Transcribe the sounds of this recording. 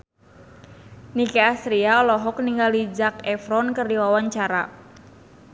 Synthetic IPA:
nikeasɾiaɔlɔɦɔk̚niŋɡalid͡ʒakɛfɾɔnkɨrdiwawaɲt͡ʃaɾa̰

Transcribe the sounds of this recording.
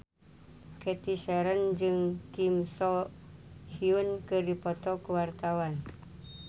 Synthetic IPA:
kɛt̪isɛɾənd͡ʒɨŋkimsɔ | hiunkɨrdipɔt̪ɔkuwart̪awan

